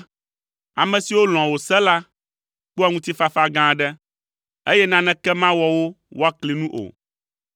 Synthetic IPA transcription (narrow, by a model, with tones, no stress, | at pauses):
a˨mɛ̃˨si˨wo˦l̃ɔ̃˨wo˨sɛ˦la˦ | k͡pu˦a˦ŋũ˦t̪i˦fa˦fa˦ɡã˦˨ɖɛ˦ | e˦jɛ˦nã˦nɛ̃˦kɛ˦mã˦wɔ˨wo˦ | wo˦a˦kli˨nũ˦ʔo̰˨